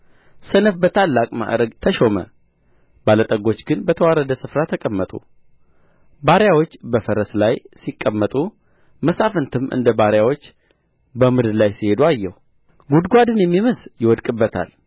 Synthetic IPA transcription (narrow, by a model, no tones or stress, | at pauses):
sənəfbət̪ʰalːakʼma̰ʔɾəɡt̪ʰəʃo̞mə̰ | balət̪ʼəɡo̞t͡ʃːɡɨnbət̪ʰəwaɾəd̪əsɨfɾat̪ʰəkʼəmːət̪ʼṵ | baɾjawot͡ʃːbəfəɾəslajsikʼːəmːət̪ʼu | məsafɨnt̪ʰɨmʔɨ̰nd̪əbaɾjawot͡ʃː | bəmɨd̪lajsihe̞d̪uajːɛhu | ɡud̪ɡʷad̪ɨnjɛmːiməsjɪwɔd̪kʼɨbːət̪ʰa̰l